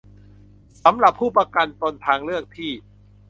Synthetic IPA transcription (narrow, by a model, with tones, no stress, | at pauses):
sa˩˦mɾa˨˩pʰːuː˥˩pɾa˧ka˧nt̪o˧nt̪ʰaː˧ŋɾɯ˥˩ək̚t̪ʰiː˥˩